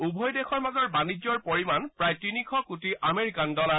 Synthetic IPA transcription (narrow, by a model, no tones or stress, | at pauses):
ubʱɔjdexʰɔɹmazɔɹbanid͡ʒɔɹpoɹimanpɹajtinikʰɔkutiʔameɹikandɔla